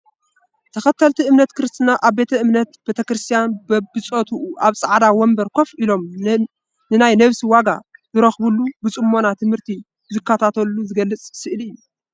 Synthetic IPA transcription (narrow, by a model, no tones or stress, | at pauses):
t̪ʰɐxɐt̪ʰːɐlt̪ʰiɨmnɐt̪kɨɾɨst̪ʰɨnaʔaβbe̞t̪ʰɐʔɨmnɐt̪be̞t̪ʰɐkɾɨst̪ʰijanbɐbɨt͡sʼot̪ʰuːʔaβsʼaʕd̪awɔmbɐɾkʰo̞fʔilo̞m | nɨnajnɐβsiwaɡazɨɾɐxbulubɨt͡sʼɨmːo̞nat̪ʰɨmhɨɾt̪ʰi | zɨkːat̪ʰat̪ʰɐlːuzɨɡɐlːɨt͡sʼsɨʔɨlɨjːu